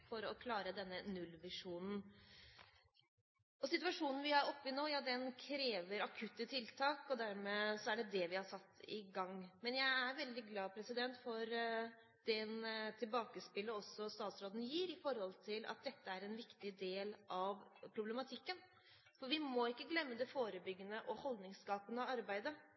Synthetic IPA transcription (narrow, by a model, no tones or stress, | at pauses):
fɔɾɔkʰlɑːɾəd̪ɛnːənʉlʋɪʂuːnn̩ | ɔsɪt̪ʉɑʂuːnn̩ʋɪhɑɾɔpːɪnoːjɑːd̪ɛnkʰɾeːʋəɾɑkʰʉt̪ːət̪ʰɪlt̪ʰɑːkɔd̪æɾmɛsɔæɖɛd̪ɛʋɪhɑsɑt̪ːɪɡɑŋmɛnjæɪæɾʋɛld̪ɪɡlɑːpʰɾɛsɪd̪ɛnt̪fɔɾ | d̪̥ɛnt̪ʰɪlbɑːkəspɪlːəɔsːɔst̪ɑːt̪sɾoːd̪n̩jiːɾɪfɔɾhɔlt̪ʰɪlɑ̰t̪̚d̪ɛt̪ːəæɾɛnʋɪkt̪ɪd̪eːlʔɑʋpʰɾʊblɛmɑt̪ʰɪkːən | fɔɾʋɪmɔɪkːəɡlɛmːəd̪ɛfoːɾəbʏɡːənəʔɔhɔld̪nɪŋskɑːpənəɔɑɾbæɪd̪ə